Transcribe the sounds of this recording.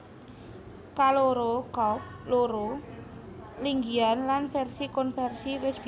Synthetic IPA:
kaloɾokɔp̚loɾo | liŋɡianlanfɛrsikɔnfɛrsiwɪsb̥

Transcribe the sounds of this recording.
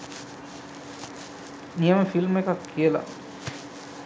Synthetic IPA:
nijəməfilmekakːijəla̰

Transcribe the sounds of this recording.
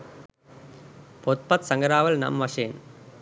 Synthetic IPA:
pɔt̪̚pɐt̪sɐŋɡɐɾaːʋɐlnɐ̰mʋɐʂeːn

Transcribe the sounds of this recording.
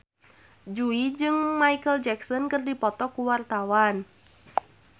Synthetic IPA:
d͡ʒuid͡ʒɨŋmaikəld͡ʒɛksɔnkərdipɔt̪ɔkuwart̪awan

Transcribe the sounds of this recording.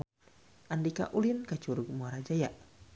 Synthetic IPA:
ʔandika̰ʔulinkat͡ʃuɾuk̚muaɾad͡ʒajaʔ

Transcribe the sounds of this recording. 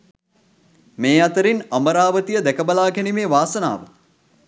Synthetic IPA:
meːat̪əɾinambəɾaːʋət̪ijəd̪ɛkəbɐlaːkænimeːʋaːsəna̰ːʋə̰

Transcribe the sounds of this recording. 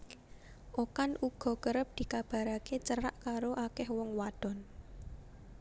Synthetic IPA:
ʔokanuɡ̥ɔ̤kəɾəp̚d̪̥i̤kab̥a̤ɾaket͡ʃəɾaʔkaɾoʔakɛhwɔŋwaɖ̪̥ɔ̤n

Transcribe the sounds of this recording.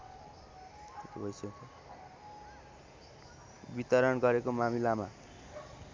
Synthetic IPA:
k̪et̪obʱʌjsʌt̪ʰʌ | bit̪ʌɾʌnɡʌɾekomamilama

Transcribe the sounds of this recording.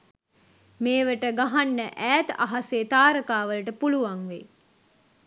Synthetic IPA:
meːʋəʈəɡaɦanːəʔæːt̪a̰ɦaseːt̪aːɾəkaːʋələʈəpuluʋaŋʋe

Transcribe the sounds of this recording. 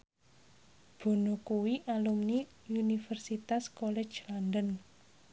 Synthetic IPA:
b̥o̤nokuwiʔalumni | unifərsit̪askɔlɛ̥d͡ʒlandən

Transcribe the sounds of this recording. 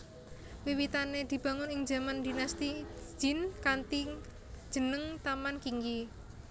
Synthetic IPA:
wiwit̪aned̪̥i̤b̥a̤ŋʊnɪŋd͡ʒa̤mand̪i̤nast̪i̥ʒ̥ɪ̤nkant̪i̥ | d͡ʒ̥ə̤nəŋt̪amankiŋɡi

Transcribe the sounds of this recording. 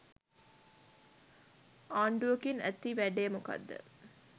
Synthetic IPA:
aːɳɖuəkinæ̰t̪ːiʋæɖeːmuka̰d̪ːə̰

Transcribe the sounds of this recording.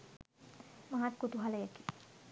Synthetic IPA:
maɦat̪kut̪uɦaləjəki̥

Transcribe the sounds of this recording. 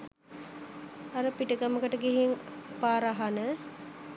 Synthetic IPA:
aɾəpiʈəɡaməkəʈəɡiɦiŋpaːɾaɦanə

